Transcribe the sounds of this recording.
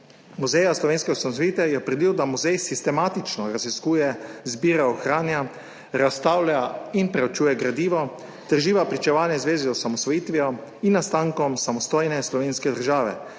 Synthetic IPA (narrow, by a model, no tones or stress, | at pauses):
muzɛjaslɔʋeːnskɛɔsamɔsʋɔjiːt̪ɛjɛpɾɛd̪iwd̪amuzɛjsist̪ɛmaːt̪it͡ʃnɔɾaziskuːjɛzbiːɾaɔxɾaːnja | ɾast̪aːwlʲainpɾɛɔt͡ʃuːjɛɡɾad̪iːʋɔ | t̪ɛɾʒiːʋapɾit͡ʃɛʋaːnjɛzʋeːzizɔsamɔsʋɔjiːt̪ʋiɔinːast̪aːŋkɔmsamɔst̪oːjnɛslɔʋeːnskɛd̪əɾʒaːʋɛ̰